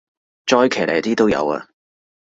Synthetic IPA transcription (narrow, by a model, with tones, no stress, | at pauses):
t͡ʃɔː˧˥jkʰe˨˩lḛ˨˩jt̪iː˥t̪o˥wjɐ̰˨˧wɐ̰˧